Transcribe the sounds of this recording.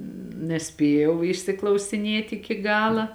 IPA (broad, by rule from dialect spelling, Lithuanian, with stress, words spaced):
nʲɛˈsʲpʲeːjɛʊ ɪʃʲsʲɪklˠɐʊsʲɪˈnʲeːtʲ ɪkʲɪ ˈɡɑːlˠɐ